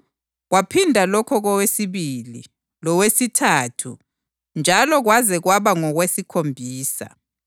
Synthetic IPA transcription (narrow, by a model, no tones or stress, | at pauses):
ɣwapʰindʱalɔkʰɔɣɔwesiβilḭ | lɔwesitʰaːtʰṵ | nd͡ʒʱalɔɣwazɛɣwaβaŋɔɣwesikʰombʱiːsa̰